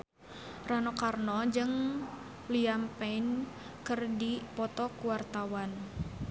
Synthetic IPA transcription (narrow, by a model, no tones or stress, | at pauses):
ranokarnɔd͡ʒɨŋ | liampɛin | kɨrdipɔt̪ɔkuwart̪awan